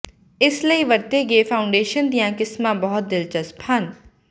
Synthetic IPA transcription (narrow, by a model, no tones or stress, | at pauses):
ɪsləiʋɐɾt̪eɡeːfʰaːʊ̃ɳɖeːʃənd̪ijãːkɪsmãbɔɦʊt̪̚d̪ɪlt͡ʃəspʰhɐn